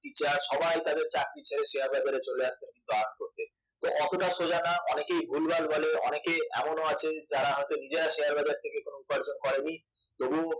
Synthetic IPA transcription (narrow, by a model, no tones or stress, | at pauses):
kit͡ɕaʃɔbajt̪ad̪eɾt͡ɕak̚ɾit͡ɕʰeɾeʃeaɾbad͡ʑaɾet͡ɕoleaʃt̪enkint̪uaonkoɾt̪e | t̪o̰ʔɔt̪oʈaʃod͡ʑanaʔɔnekejbʱulbalbɔleɔ̰nekeɛ̰monoat͡ɕʰed͡ʑaɾaɦɔet̪onid͡ʑeɾaʃeaɾbad͡ʑaɾt̪ʰekekonoupaɾd͡ʑonkɔɾeni | t̪obu